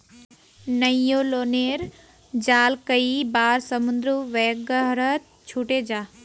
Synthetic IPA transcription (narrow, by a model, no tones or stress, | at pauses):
nɐijoloːneːɾ | d͡ʑaːlkəibaːɾsəmʊ̃nd̪ɾuʋeːɡəɦɾə | t͡ʃʰuːʈed͡ʑaː